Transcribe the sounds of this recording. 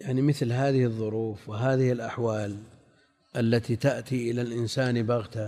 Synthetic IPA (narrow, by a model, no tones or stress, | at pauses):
jaʕnimɪθlɦaːðɪhɪðˤːʊɾuːfwɪɦaːðɪhɪlʔaħwaːl | ʔalːat̪it̪aʔt̪iʔɪlalʔɪnsaːnbɑɣt̪a